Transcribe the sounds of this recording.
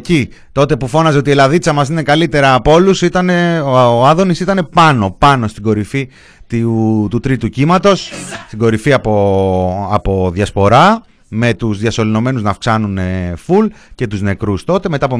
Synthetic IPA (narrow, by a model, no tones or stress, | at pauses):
ci | t̪o̞t̪e̞pufo̞nɐze̞o̞t̪ielɐðit͡sɐmɐsine̞kɐlit̪e̞ɾɐːpo̞lusit̪ɐneoɐðo̞nisit̪ɐne̞pɐno̞pɐno̞st̪iɡo̞ɾifi | t̪it̪ut̪ɾit̪ucimɐt̪o̞sst̪iɡo̞ɾifiɐpo | ɐpo̞ðʝɐspo̞ɾɐ | me̞t̪uzðjɐso̞lino̞me̞nuznɐfksɐnuneful | ce̞t̪uzne̞kɾust̪o̞t̪e̞me̞t̪ɐp̬o